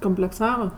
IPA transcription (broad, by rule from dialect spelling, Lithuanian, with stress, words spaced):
koːmʲpʲlʲɛkˈsɑːʋɐ